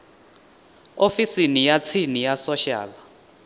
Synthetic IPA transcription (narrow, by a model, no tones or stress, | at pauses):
ofisinijat͡sʰinijasɔʃa̰ːl